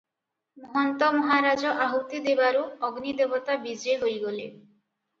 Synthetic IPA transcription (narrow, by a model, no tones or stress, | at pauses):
mɔɦɔnt̪ɔmɔɦaɾad͡ʒɔʔaɦut̪id̪ebaɾuɔɡnid̪ebɔt̪abid͡ʒeɦojɡɔlḛ